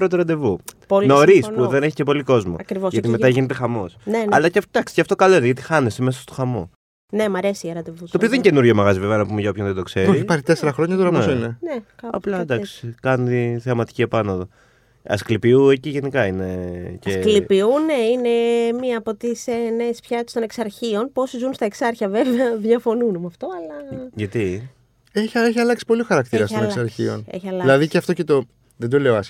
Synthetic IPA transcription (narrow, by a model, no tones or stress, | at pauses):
ɾot̪oɾɐnd̪e̞vupolinoɾisspoðeneçice̞po̞liko̞zmoɐkɾivosʝɐt̪ime̞ɐʝinet̪exɐmo̞sneɐlɐced̪ɐksi̥ceɐft̪o̞kɐlo̞ineʝɐt̪ixɐneseme̞sɐst̪o̥xɐmo̞̰ | ne̞mɐɾe̞siʝɐɾɐnd̪evust̪opioðence̞nuɾʝomɐɣɐziveveɐnɐpumeʝɐo̞pçonðed̪o̞kse̞ɾoɾiçipɐɾit̪eseɾɐxɾoɲɐt̪oɾɐnesinenekɐɐ̰plɐd̪ɐksi̥i̥kɐnt̪iθeɐmɐt̪i̥ciepɐnoðo | ɐsklipiueciʝe̞nikɐine̞cɐesklipiune̞ine̞miɐːpot̪isenespçɐt̪e̥st̪o̞neksɐɾçio̞npuo̞sizunst̪ɐe̞ksɐɾçɐve̞veɐðʝɐfo̞nunumɐft̪o̞ɐlɐʝɐt̪i | eçeçiɐlɐksi̥po̞lixɐɾɐkt̪iɾɐst̪oneksɐɾçḭo̞̰nḛçiɐlɐilɐðiceɐft̪ocet̪o | ðend̪o̞le̞oɐs